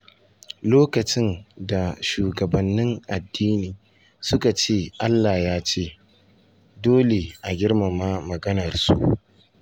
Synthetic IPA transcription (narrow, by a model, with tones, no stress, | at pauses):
loː˦kɐ˨t͡ʃɪ˦nda˨ʃuː˨ɡɐ˨bɐ˨nːɪ˦ŋʔa˨dːiː˦niː˨ | sʊ˦ka˨t͡ʃeː˦˨ʔa˦lːaː˨jaː˦t͡ʃeː˦˨ | doː˦le˨ʔa˨ɡʲɪ˦rma˨maː˦mɐ˨ɡɐ˦nɐ˨rsṵ˦ʔ